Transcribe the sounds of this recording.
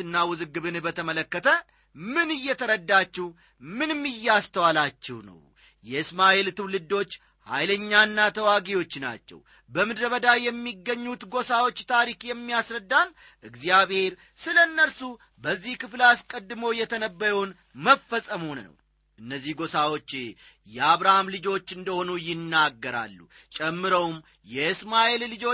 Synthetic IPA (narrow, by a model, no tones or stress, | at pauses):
ɨnːawɨzɨɡːɨβɨnbət̪ʰəmələkːət̪ʰə | mɨnɨjːɛt̪ʰəɾəd̪ːat͡ʃːɛh | mɨnmːɨjːɛast̪ʰəwalat͡ʃːɛhnə̰w | jɛɨsmaʔelt̪ʰɨwlɨd̪ːo̞t͡ʃː | ha̰jləɲːanːat̪ʰəwaɡiwo̞t͡ʃːna̰t͡ʃːɛ̰w | bəmɨd̪ɾəβəd̪ajɛmːiɡːəɲːut̪ɡo̞sawo̞t͡ʃːt̪ʰaɾikjɛmːiasɾəd̪ːal | ʔɨɡzijaβhe̞ɾ | sɨlənːəɾsu | bəzːihkɨflaskʼəd̪ːɨmowjɛt̪ʰənəbːəjəwn | məfːəsʼəmunə̰w | ʔɨnːəzːihɡo̞sawo̞t͡ʃː | jɛaβɾahamlɨd͡ʒo̞t͡ʃːɨnd̪əho̞nujɪnːaɡːəɾa̰lːṵ | t͡ʃʼɛmːɨɾəwm | jɛɨsmaʔellɨd͡ʒo̞